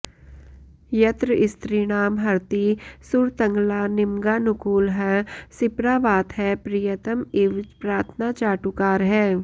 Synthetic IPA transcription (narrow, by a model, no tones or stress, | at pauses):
jɐt̪ɾəɪst̪ɾiːɽ̃aːmɦɐɾt̪isʊɾt̪ə̃ŋɡlaːnɪmɡaːnʊkuːlɦɛsɪpɾaːʋaːt̪ɦɛpɾiːjət̪əmɪʋd͡ʒpɾaːɾt̪ʰnat͡ʃaːʈukaːɾɦɛː